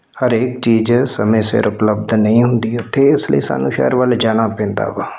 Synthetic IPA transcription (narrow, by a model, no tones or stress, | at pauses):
həɾeːkt͡ʃiːd͡ʒsəmẽːsɪ̰ɾʊpləb̚d̪nəĩːɦʊnd̪iːʊt̪ʰːeːɪsləḭːsa̰ːnũːʃɛ̰ːəɾʋəld͡ʒaːɽ̃aːpɛ̃ːnd̪a̰ːʋaː